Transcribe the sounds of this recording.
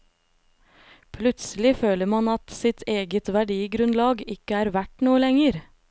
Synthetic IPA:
pʰlʉt̪səlɪføːləɾmɑnɑt̪sɪt̪ʰeːɡət̪ʋæɖiːɡɾʉnlɑːɡɪkəæːɾʋæʈnuːəlɛŋəɾ

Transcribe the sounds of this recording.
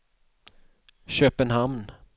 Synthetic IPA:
ɕøːpənɦamn

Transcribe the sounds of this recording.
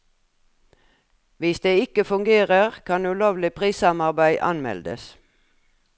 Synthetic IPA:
ʋɪsd̪eːɪkəfʉŋɡeːʁəʁkʰɑnʉloːʋlɪpʰʁiːsɑmɑʁbæɪʔɑ̰nmɛ̰ld̪ə̰s

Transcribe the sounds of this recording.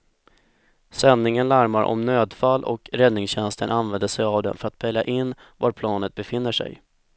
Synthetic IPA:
sɛnːɪŋənlæɾmaɾʔɔ̰mnøːd̪falːʔɔ̰kɾɛd̪nɪŋsɕɛnst̪ənʔanvɛnd̪əʂɛjavd̪ɛ̰nfœɾat̪pʰɛljaʔɪnː | vaɾpʰlɑːnət̪̚bɛfɪnːəʂɛ̰j

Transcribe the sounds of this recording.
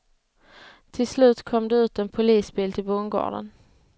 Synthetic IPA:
t̪ʰɪlslʉ̟ːt̪kʰɔmd̪ɛʉ̟ːt̪ɛnpʰʊliːsbiːlt̪ʰɪlbʊnɡɑ̰ːɖə̰n

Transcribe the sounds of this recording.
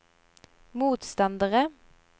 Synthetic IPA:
muːt̪st̪ɑnd̪əʁə

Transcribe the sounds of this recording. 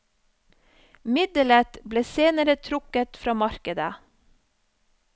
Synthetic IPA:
mɪd̪ələt̪bleːseːnəɾət̪ʰɾʊkət̪fɾɑːmɑɾkəd̪ə

